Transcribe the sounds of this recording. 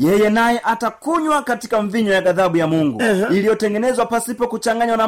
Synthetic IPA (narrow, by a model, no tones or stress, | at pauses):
jɛjɛnajɛʔatakuɲwakatikaɱviɲɔjaɡaðaɓujamuŋɡuilijɔtɛŋɡɛnɛzwapasipɔkut͡ʃaŋɡaɲwana